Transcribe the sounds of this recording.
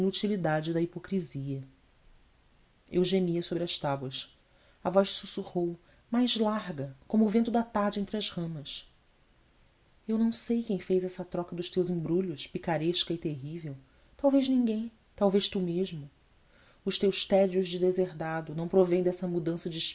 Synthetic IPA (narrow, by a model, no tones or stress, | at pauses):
nut͡ʃilid̪ad͡ʒɪd̪ɐipokɾiziɐ | ewʒemiɐsobɾɪɐʃt̪abwɐs | ɐvɔjʃsusuhow | majzlaɾɡɐkõmʊːvẽnt̪ʊd̪ɐt̪aɾd͡ʒɪẽnt̪ɾɪɐzhɐ̃mɐs | ewnɐ̃w̃sejkẽj̃fejzɛsɐt̪ɾɔkɐd̪ʊʃt̪ewzĩbɾuʎʊʃpikaɾeʃkɐɪt̪eɦivew | t̪awveznĩŋɡẽj̃ | t̪awvejʃt̪umeʒmʊ | ʊʃt̪ewʃt̪ɛd͡ʒiʊzd͡ʒɪd̪ezeɾd̪ad̪ʊnɐ̃w̃pɾovẽj̃d̪ɛsɐmud̪ɐ̃sɐd͡ʒɪʃ